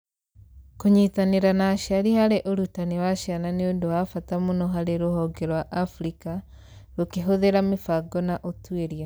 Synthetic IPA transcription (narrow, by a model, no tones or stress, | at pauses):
kuɲitaniɾanaʃaɾihaɾeʔoɾutaniwaʃananiondowafatamunoɦaɾeɾuɦoɡeɾwaʔːfɾika | ɾukeɦoðeɾamifaɡonaʔotweɾja